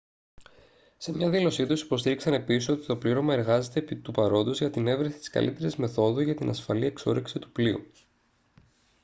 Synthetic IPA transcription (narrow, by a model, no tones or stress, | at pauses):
se̞mɲɐðilo̞sit̪usi̥po̞st̪iɾiksɐne̞pisiso̞t̪i̥t̪o̞pliɾo̞mɐe̞ɾɣɐze̞t̪e̞pit̪upɐɾo̞nd̪ozʝɐt̪ine̞vɾesit̪i̥skɐ̰lʔit̪e̞ɾizme̞θo̞ðuʝɐt̪inʔɐsfɐlie̞kso̰ɾiksit̪u̥pliṵ